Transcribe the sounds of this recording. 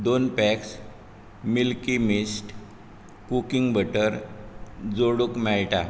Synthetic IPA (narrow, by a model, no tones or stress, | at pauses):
d̪onpɛks | milkimisʈ | kukiŋɡbəʈəɾ | d͡zoɽukmɛɭʈa̰